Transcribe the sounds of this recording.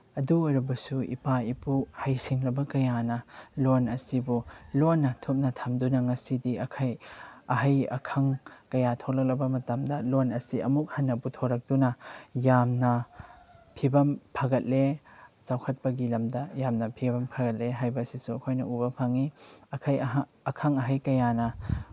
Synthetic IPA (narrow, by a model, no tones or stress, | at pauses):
ɐduɐɾubɐsuḭpaipuhɐjsiŋlɐbɐkɐjanɐlonɐsibulonːɐtʰup̚nɐtʰɐmdunɐŋɐsidiɐkʰɐjɐɦɐjɐ̰kʰɐŋkɐjatʰoklɐk̚lɐbɐmɐtɐmdɐlonɐsiɐmuk̚hɐnːɐbutʰoɾɐk̚d̥unɐjamnɐ | pʰibɐmpʰɐɡɐt̚let͡ʃawkʰɐt̚pɐɡilɐmdɐjamnɐpʰibɐmpʰɐɡɐt̚leɦajbɐsisuɐkʰojnɐubɐpʰaŋiɐkʰɐj | ɐkʰɐŋɐɦɐjkɐjanɐ